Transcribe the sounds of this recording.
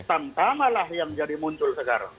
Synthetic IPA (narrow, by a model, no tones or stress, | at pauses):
t̪ant̪amalahjaŋd͡ʒadimuɲt͡ʃʊlsəka̰ɾa̰ŋ